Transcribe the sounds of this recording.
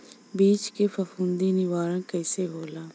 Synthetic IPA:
biːt͡ʃkeːpʰəfʰũnd̪iːnɪʋaːɾãːkɛːseːɦoːlaː

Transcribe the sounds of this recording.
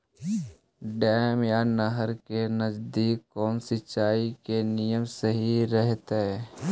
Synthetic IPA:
ɖɛːmjanəɦəɾkenəd͡ʒd̪iːkkkːɔːnsɪt͡ʃːaːikenijəmsəɦiɾɛɦt̪eɛ

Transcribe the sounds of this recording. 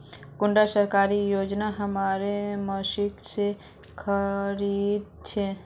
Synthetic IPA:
kuɳɖasəɾkaɾijod͡ʒnaɦəmaɾeməsikt͡ʃʰe | kʰəɾid̪̚ | t͡ʃʰe

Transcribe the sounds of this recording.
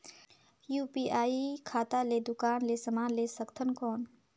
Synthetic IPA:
juːpiːʔaːikʰaːt̪aled̪ʊkaːnlesəmaːnleːsəkt̪ʰənkɔːn

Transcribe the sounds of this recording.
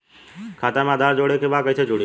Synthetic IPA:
kʰaːt̪amãd̪ʱaːɾd͡ʒoːɽekeʋakəit͡ʃʰed͡ʒoːɽi

